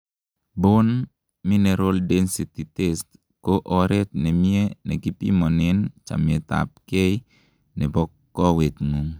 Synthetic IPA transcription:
bon | mineɾoldensititest | koʔɔɾet̚nemienekipḭmɔnent͡ʃa̰mieta̰p̚kej | nebɔkːɔwetŋuŋ

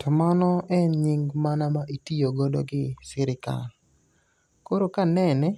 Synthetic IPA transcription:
tʰɔmanɔɛnɲɪŋɡmanamaʔitijoɡɔdɔ̰ɡɪsɪɾɪka̰l | koɾokanɛnɛ

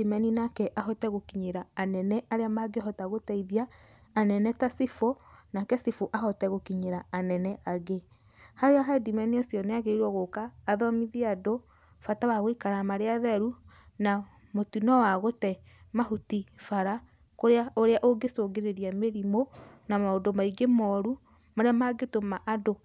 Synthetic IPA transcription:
imɛninakɛʔaɦɔtɛɣokiɲeɾaːnɛnɛaɾeamaɡeɦɔtaɣotɛiðiaː | nɛnɛtasifonakɛsifoʔaɦɔtɛɣokiɲeɾaːnɛnɛaɣe | haɾeaɦaɛdimɛniosjɔneaɣeiɾwɔɣokaːðɔmiðiado | fatawaɣoikaɾamaɾeaðɛɾu | na | motinɔwaɣotɛ | maɦutifaɾa | koɾeaoɾeaʔoɡesoːɡeɾeɾiameɾimo | namaodomaiɡemɔːɾu | maɾeamaɡetomaʔado

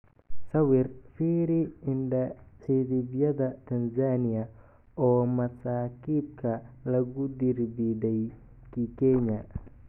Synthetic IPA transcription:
sɐwɪrfiɾiɪnɖɐsiðibjɐðɐt̪ʰɐnsaniɐ | ɔːmɐsaːkiːb̚kʰɐlɐɡʊd̪irbidɛj | kikɛɲɐ

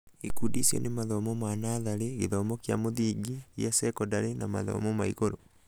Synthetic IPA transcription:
ikudisjɔ̰nemaðɔmɔmanaðaɾeɣeðɔmɔkjamoðiːɡijasɛkɔdaɾenama̰ðɔ̰mɔmaiɣoɾo

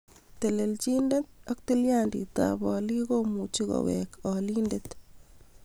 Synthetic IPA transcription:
t̪elelt͡ʃindet̪̚ɔk̚tiljandḭta̰bɔːlikomut͡ʃiɣɔ̰wɛ̰kɔlindet̪

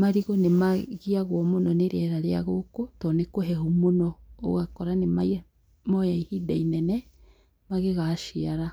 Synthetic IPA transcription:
maɾiɣonemaɣiaɣwɔmonɔneɾɛɾaɾea̰ɣokotɔnekoɦɛɦumonɔo̰ɣakɔɾanemai | mɔjaihidainɛnɛ | maɣeɣaʃiaɾa

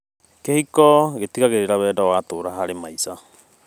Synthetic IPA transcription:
kehikɔɣetiɣaɣeɾeɾawɛːdawatoːɾaɦaɾemaisa

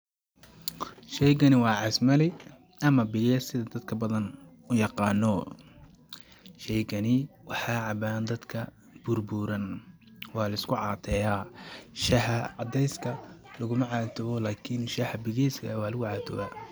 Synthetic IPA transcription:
ʃɛjɡɐnɪwɑːʕɑsmɐlɪ | ʔɐmɐbɪɣɐsɪðɐd̪ɐd̪kʰɐbɐðɐn | ʊjɑqɑːnːɔ | ʃɛjkɐnɪwɑħɑːʕɑbaːnd̪ɐd̪kʰɐ | b̥ʊrbʊːɾɐn | wɑːlɐɪskʰʊʕɑːt̪ʰɛːjaːʃɐħɐʕɑd̪ɛjskʰɐlɐɣʊmɐʕɑːt̪ʰɐβɔlaːkʰɪnʃɐhɐbɪɣɛjskʰɐ̰wɑːlɐɣʊʕɑːt̪ʰʊ̰ba̰ː

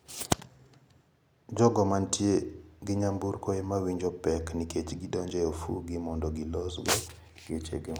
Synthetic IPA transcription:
d͡ʒɔɡɔmantjeɡɪɲambuɾkoemawiɲd͡ʒɔpɛkniket͡ʃɡɪdɔɲd͡ʒɛofṵɡɪmɔndɔɡɪlɔsɡɔ | ɡet͡ʃḛɡɪ

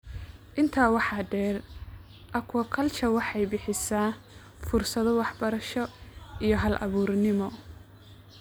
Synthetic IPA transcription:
ʔɪnt̪ʰaːwɑħɑɖɛːr | ʔɐkʰwɐkʰɐlt͡ʃʰɐwɑħɑjbɪħɪsaː | fʊrsɐðɔwɑħbɐɾɐʃɔijɞɦɐlʔɐ̰βuːrnɪmɔ

